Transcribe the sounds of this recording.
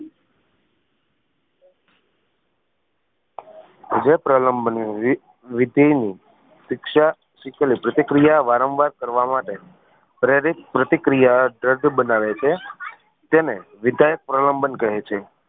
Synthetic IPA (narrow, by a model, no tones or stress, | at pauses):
d͡ʒepɾələmbəni | ʋɪd̪ʱejni | sɪkʃa | ʃiklipɾət̪ikɾijaʋaɾə̃mʋaɾkəɾʋamaʈe | pɾeɾik̚pɾət̪ikɾijaɖɾəɖbənaʋet͡ʃʰe | t̪ene | ʋɪd̪ʱajək̚pɾələmbənkəɦet͡ʃʰe